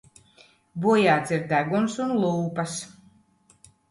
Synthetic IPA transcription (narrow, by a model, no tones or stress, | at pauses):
buɔjaːt̪siɾd̪æɡunsunlˠuːpas